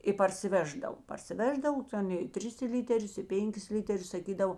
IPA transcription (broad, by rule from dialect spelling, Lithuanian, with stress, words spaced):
ɪ pɐrʲsʲɪˈʋʲæːʒdɐw pɐrʲsʲɪˈʋʲæːʒdɐw ˈtʲɛn ɪ ˈtʲrʲɪs ˈlʲiːtʲɛrʲʊs ɪ ˈpʲɛŋʲˌkʲɪs ˈlʲiːtʲɛrʲʊs sɐˈkʲiːdɐʋoː